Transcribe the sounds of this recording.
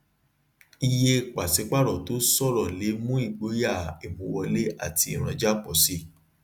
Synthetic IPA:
i˧je˧k͡pa˨se˨˦k͡pa˦˨ɾɔ˨to˨˦sɔ˦˨ɾɔ˨le˨˦mũ˦i˦˨ɡ͡bo˨˦ja˦˨e˨mũ˧˦wɔ˧le˦a̰˦˨ti˧i˦˨ɾ̃ã˨˧d͡ʒa˦˨k͡pɔ˨si˦

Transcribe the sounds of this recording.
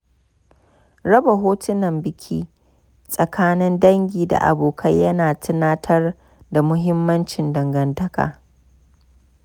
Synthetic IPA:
ɾɐ˦ba˨ɦoː˦tʊ˦nɐ˨mbɪ˦kʲʰiː˦ | sʼɐ˨kʰaː˦nɪ˦ndɐ˦ŋɡʲiː˨da̰˨ʔa̰˨boː˨kʰɐ˦jjɐ˦naː˨tʰɪ˦naː˦tʰɐ˦r | da˨mʊ˦ɦɪ˦mːɐ˦nt͡ʃɪ˨ndɐ˨ŋɡɐ˨ntɐ˦ka̰ː˨

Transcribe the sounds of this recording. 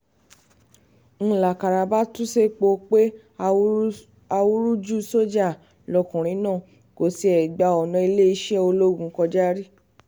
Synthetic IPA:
ñ̩˧la˨ka˨ɾa˧ba˦tu˦se˦k͡po˧k͡pe˦ | a˧wu˦ɾu˦d͡ʒu˦so˦d͡ʒa˦˨ | lɔ˧˨kũ˨ɾ̃ĩ˨˦nãː˦˨ | ko˨si˧ɛ˨ɡ͡ba˧ɔ˨nɔ̃˨˧i˧le˦i˧˦ʃɛ˦o˧lo˦ɡũ˨˦kɔ˧d͡ʒa˦ɾi˦

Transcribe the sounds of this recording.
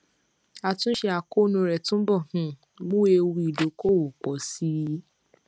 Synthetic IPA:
a˧tũ˦ʃe˧a˨ko˦nũ˧ɾɛ˨tũ˦bɔ˦˨hũ˨ | ɡ͡bu˦e˧wu˧i˨do˨˦ko˦˨wo˨k͡pɔ˨˦si˦i˦

